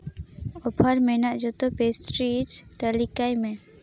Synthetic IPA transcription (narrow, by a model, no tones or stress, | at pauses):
ɔpʰaɾmɛnaʔd͡ʒɔt̪ɔpesʈɾit͡ʃt̪alikajmɛ